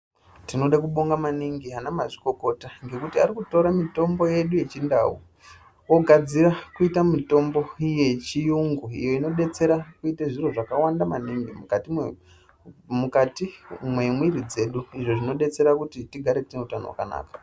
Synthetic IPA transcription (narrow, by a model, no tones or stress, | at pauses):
tino̞ɗakuɓoŋɡamaniŋɡianamaʐiko̞ko̞taŋɡe̞kutiaɾikuto̞ɾamito̞mbo̞je̞ɗuje̞t͡ʃinda̰wu | o̞ɡʱad͡zirakuitamito̞mbo̞je̞t͡ʃijuŋɡuḭjo̞ino̞ɗe̞t͡se̞ɾakuiteʐiro̞ʐakawandamaniŋɡimkti | mukatimwe̞mwiɾid͡ze̞ɗuiʐoʐino̞ɗe̞t͡se̞ɾakutitiɡʱaɾe̞tineutano̰wa̰ka̰na̰ːkḁ